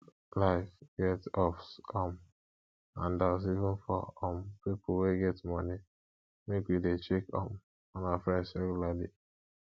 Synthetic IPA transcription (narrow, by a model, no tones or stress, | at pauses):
laɪfɡ̥ɛtɔfsɔm | ãndas̬ivɪ̃nfɔ̰ɔmpipl̩weɡɛtmɔni | mekwidet͡ʃekɔ̰m | ɔ̃nafɹɛ̃ndsɹɛɡulali